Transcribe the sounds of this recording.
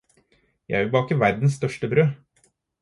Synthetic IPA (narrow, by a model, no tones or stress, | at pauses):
jæ̰ɪæɾbɑːkɪʋæɾd̪n̩sst̪œʂʈəbɾøː